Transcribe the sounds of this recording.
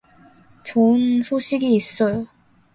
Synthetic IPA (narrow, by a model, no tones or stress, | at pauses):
t͡ɕoɯnsʰoɕʰiɡiːs͈ʌjo